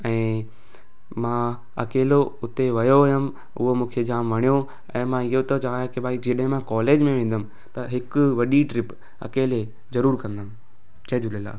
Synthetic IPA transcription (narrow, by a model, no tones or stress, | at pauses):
ɛ̃ː | mãː | ɐkeːloʊt̪eʋɐjojʊm | ʊ̰ɦomũːkʰed͡ʑaːmʋɐɽ̃ijo | ɛ̃ːmãɪɦot̪ot͡ɕɐʋajãkibaːid͡ʑeɗə̃ɦɪ̃mãkɔːleːd͡ʑmẽʋẽːn̆d̪əmɪ̆ | t̪ɐɦɪkʊʋɐɗiʈɾɪp | ɐ̰keːle | zɐɾuːɾkɐ̃nd̪əm̆ | t͡ɕʰɐd͡ʑʊlela̰ː